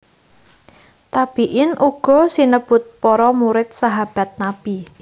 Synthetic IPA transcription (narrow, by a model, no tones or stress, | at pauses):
t̪ab̥iʔɪnʔuɡ̥ɔ̤sinəb̥ʊt̪̚pɔɾɔmuɾɪt̪̚saɦab̥a̤t̪̚nab̥i